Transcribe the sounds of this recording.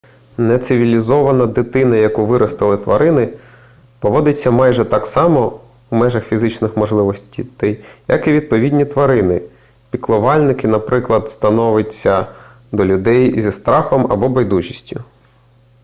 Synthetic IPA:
nɛt̪sɪʋʲilʲizɔʋɐnɐd̪ɪt̪ɪnɐjɐkuʋɪɾɔst̪ɪlˠɪt̪ʋɐ̰ɾɪnɪ | pɔʋɔd̪ɪt͡sʲːɐmɑjʒɛt̪ɑksɑmɔ | umɛʒɐxfʲizɪt͡ʃnɪxmɔʒlˠɪʋɔsʲtʲit̪ɪjjɐ̰kiʋʲid̪̚pɔʋʲidʲnʲit̪ʋɐɾɪnɪ | pʲiklˠɔʋɑlʲnɪkɪnɐpɾɪklˠɐd̪st̪ɐnɔʋɪt͡sʲːɐ | d̪ɔlʲʊd̪ɛjzʲist̪ɾɑxɔmɐ̰bɔbɔjd̪uʒʲisʲtʲʊ

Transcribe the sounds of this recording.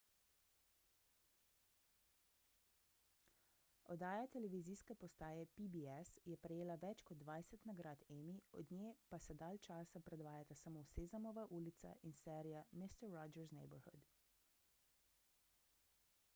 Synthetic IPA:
ɔd̪aːjat̪ɛlɛʋiziːskɛpɔst̪aːjɛpibiɛsjɛpɾɛjeːlaʋɛt͡ʃkɔd̪ːʋajsɛt̪naɡɾaːt̪ɛmiɔ̰d̪nʲjeːpasɛd̪aːlt͡ʃaːsapɾɛd̪ʋaːjat̪asamosezamɔʋaʔuːlit̪sa̰ʔinsɛːɾijamist̪ɛɾːɔd͡ʒɛɾznɛ̰jbɔɾxud̪

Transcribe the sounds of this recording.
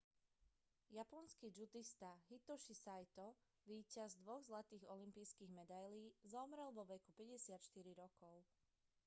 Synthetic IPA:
japɔnskid͡ʒud̪ist̪aɦit̪ɔʃisajt̪ɔ | ʋiːcazd̪ʋɔɣzlat̪iːɣɔlimpiːskiːɣmɛd̪ajliːzɔmɾɛlʋɔʋɛkupɛɟɛsɪat̪ʃt̪iɾiɾɔkɔʊ

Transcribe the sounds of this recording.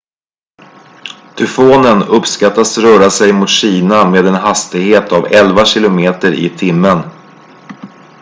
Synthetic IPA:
t̪ʰɵfoːnənɵpskat̪ːasɾœːɾasɛjmʊt̪ɕiːnameːd̪ɛnɦast̪ɪɡheːt̪avɛlvaɕɪlʊmeːt̪əɾɪ̰t̪ʰɪmːən

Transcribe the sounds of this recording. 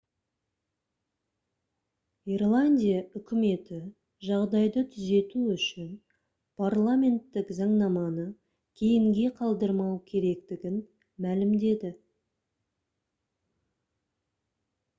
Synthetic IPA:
irlˠanʲdʲijaʏkʲɪme̞t̪ɪ | ʒɑʁd̪ɑjd̪ət̪ʰʏze̞t̪uʏʃɪn | pʰarlˠamʲe̞nt̪ːɪkzɑɴnɑmɑnə | kʲʰe̞jɪŋɡʲe̞qʰɑlˠd̪əɾmɑwkʲʰe̞ɾe̞k̚t̪ɪɡʲɪn | mælɪmd̪e̞d̪ɪ

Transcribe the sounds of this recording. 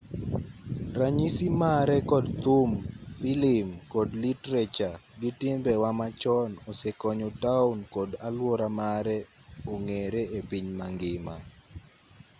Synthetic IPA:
ɾaɲisimaɾɛkɔdt̪umfilimkɔdlitɾet͡ʃaɡitɪmbɛwamat͡ʃɔnɔsɛkɔɲotaunkodalwɔɾamaɾɛ | oŋeɾeepiɲmaŋɡɪma̰

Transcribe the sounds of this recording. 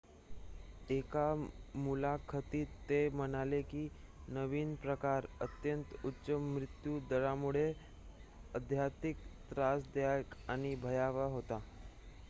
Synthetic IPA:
ekamulakʰət̪iːt̪ːemənalekiː | nəʋiːnpɾəkaɾət̪jənt̪utːɕəmːɾɪt̪juːd̪əɭamuɭ̤e | əd̪ʱjat̪ikt̪ɾasd̪jajkaɽ̃ibʱəjaʋaɦot̪a

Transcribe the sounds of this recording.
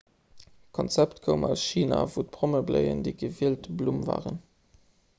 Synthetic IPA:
kʰɔnt͡sæptkʰəʊmɑlsʃiːnavut̚pʁoməbləɪə̰ndəɪɡəviəltblumva̰ːʁən

